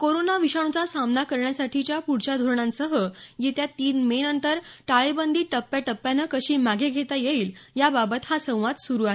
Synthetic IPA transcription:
koɾonaʋiɕaɳ̃ut͡sasamnakəɾɳjasaʈʰit͡ɕjapuɽt͡ɕad̪ʱoɾɳãnsəɦəjet̪jat̪iːnmenənt̪əɾʈaɭebənd̪ʱiːʈəpːjaʈəpːjanəkəɕiːmaɡʱeɡʱet̪ajeiːljababət̪hasə̃w̃ʋad̪suɾuae

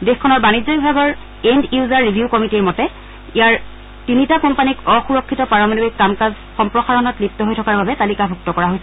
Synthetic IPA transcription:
dexkʰːɔnɔɹbanid͡ʑɔjbʱaɡɔɹ | endiuzaɹːibʱjukɔmitiɹmɔtɛ | ijaɹ | tinitakɔmpanikɔxuɹɔkʰːitɔpaɹɔmanɔikːamkaz | xɔmpɹɔxaɹɔnɔtlip̚tɔɦojtʰɔkaɹbabɛtalikabʱuk̚tɔkɔɹaɦojsɛ

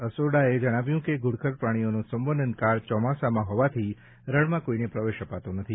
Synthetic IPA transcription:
əsoɽaed͡ʒəɽ̃aʋjũkeɡʱuɽkʰəɾpɾaɽ̃ijonũsəmʋənd̪ənkaɾt͡ʃɔmasamãɦɔʋat̪ʰi | ɾəɭmãkoinepɾəʋeʃəpat̪onət̪ʰi

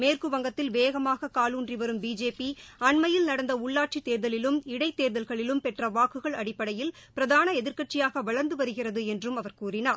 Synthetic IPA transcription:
meːrkɯʋɐŋɡɐt̪ːɪlʋeːɣɐmaːɣɐkaːluːndriʋɐɾɯmbiːd͡ʒeːpiɐɳmɐjɪlnɐɽɐnd̪ɐʊɭːaːʈ̚t͡ʃit̪ːeːɾðɐlɪlɯmɪɽɐɪt̪ːeːɾðɐlɣɐɭɪlɯmpɛʈrɐʋaːkɯɣɐɭɐɽɪpːɐɽɐjɪlpɪɾɐðaːnɐɛðɪɾkɐʈ̚t͡ʃɪjaːɣɐʋɐɭɐɾnd̪ɯʋɐɾɯɣɪrɐðɯɛndrɯmɐʋɐɾkuːrɪnaːɾ

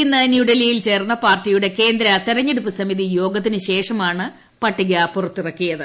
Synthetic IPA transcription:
inːɐnjuɖɐlijilt͡ɕe̞ːrnːɐpaːrtːijuɽe̞ke̞ːnd̪ɾɐt̪iɾɐɲːeɽupːɨsɐmiðijo̞ːɡɐt̪̬ːinɨɕe̞ːʂɐmaːɳɨ | pɐʈːiɣɐpurɐt̪ːirɐkːijɐðɨ

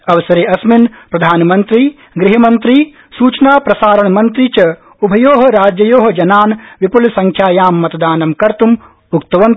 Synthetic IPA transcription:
ɐʋɐsɐɾeːɐsminpɾɐd̪ʱaːnɐmɐnt̪ɾiː | ɡɾɪɦɐmɐnt̪ɾi | suːt͡ʃɐnaːpɾɐsaːɾɐɳɐmɐnt̪ɾit͡ʃɐ | ubʱɐjoːɦɐ̆ɾaːd͡ʒjɐjoːɦɐd͡ʒɐnaːnʋipulsɐŋkʰjaːjaːmːɐt̪ɐd̪aːnɐmkɐɾt̪um | ukt̪ɐʋɐn

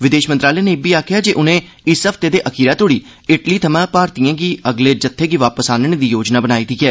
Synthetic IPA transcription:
ʋɪd̪eːʃmənt̪ɾaːleːnẽbiːaːkʰɪjaːd͡ʒeːʔʊnẽː | ɪsəft̪eːd̪eːʔəkʰiːɾaːt̪oːɽiː | ɪʈliːt̪ʰəmãːpaːɾt̪iːãːɡiːəɡleːd͡ʒət̪ʰːeːɡiːʋaːpəsaːnəɳeːd̪iːjoːd͡ʒnaːbənaːiːt̪iːkɛː

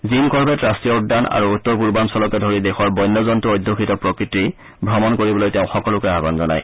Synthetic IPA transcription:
zimkɔɹbʱɛtɹastɹiɔutdana̰ɹuutːɔɹpuɹbansɔlɔkɛdʱoɹidɛxɔɹbɔjnːɔzɔntuojdʱːokʰitɔpɹokɹitːi | bʱɹɔmɔnkoɹibɔlojteʊ̃xɔkɔlʊkɛabɔnzɔna̰j

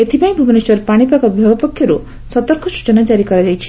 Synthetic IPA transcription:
et̪ʰipajĩbʱubɔneswɔɾpaɽ̃ipakɔbʱjɔbɔpɔkʰːjɔɾu | sɔt̪ɔɾkʰɔsu̥t͡ʃɔnad͡ʒaɾikɔɾad͡ʒajt͡ʃʰi̥

